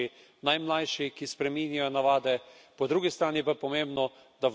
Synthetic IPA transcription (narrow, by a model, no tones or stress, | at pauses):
i | najmlajʃikispɾɛminjajɔnaʋaːd̪ɛpɔd̪ɾuːɡist̪ɾaːnipapɔmẽmbnɔ | d̪̥a